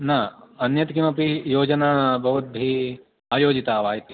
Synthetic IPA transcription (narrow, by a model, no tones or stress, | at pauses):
naɐnjɐt̪kimɐpijoːd͡ʒɐnaːbʱɐʋɐt̪̚bʱi | aːjoːd͡ʒit̪aːʋaːjt̪i